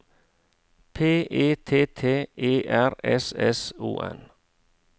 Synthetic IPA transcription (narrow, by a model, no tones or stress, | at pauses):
pʰeːʔeːt̪ʰeːt̪ʰeːʔeːʔæɾɛsɛsṵːʔɛ̰n